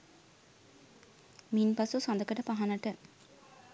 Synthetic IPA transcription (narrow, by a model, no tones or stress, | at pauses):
minpasusand̪əkəʈəpaɦanəʈə